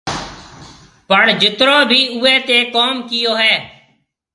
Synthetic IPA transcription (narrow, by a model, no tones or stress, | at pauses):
pəɳd͡ʒɪt̪ɾõːbʱiːʊɛːt̪eːkoːmkɪjoːɦɛː